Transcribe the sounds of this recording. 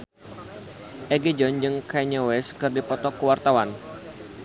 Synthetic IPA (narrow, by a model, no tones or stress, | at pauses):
ʔɛɡed͡ʒɔnd͡ʒɨŋkaɲawɛskɨrdipɔt̪ɔkuwart̪awan